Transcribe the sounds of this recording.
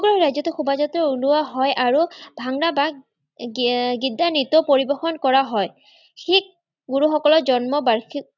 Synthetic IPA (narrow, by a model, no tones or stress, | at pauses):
ɡɔɹɔɹajzɔtɛxubazɔtɔuluwaɦɔjʔaɹubʱaŋɹaba | ɡidːanitɔpoɹibɔxɔnkɔɹaɦɔj | xik̚ | ɡuɹuxɔkɔlɔzɔnmɔbaɹxi